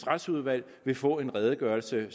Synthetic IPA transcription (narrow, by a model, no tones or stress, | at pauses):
sʁad̥suð̞ˠʋæl̰ | ʋe̝fɔ̰̽ːe̝nʁɛːð̞ˠəɡ̥ɶːɐlsə